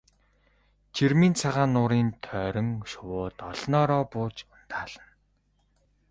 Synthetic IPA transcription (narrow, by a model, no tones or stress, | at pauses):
t͡ɕʰirmiːnt͡sʰaʁaːnːʊːɾiːnt̪ʰœːɾɞ̆ŋʃʊwʊːt̪ɔɮnɔːɾɔːpʊːt͡ɕʊn̥t̪aːɮ̥ə̆n